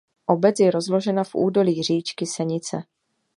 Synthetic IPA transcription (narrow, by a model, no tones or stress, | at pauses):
ʔo̞bɛt͡sjɛɾo̞zlo̞ʒɛnafʔṵːdo̞liːr̝iːt͡ʃkɪsɛɲɪt͡sɛ